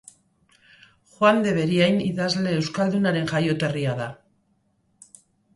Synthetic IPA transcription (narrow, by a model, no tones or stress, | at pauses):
xwand̪e̞β̞e̞ɾiajniðazle̞ːwskald̪unaɾe̞ŋʝajo̞t̪e̞riaða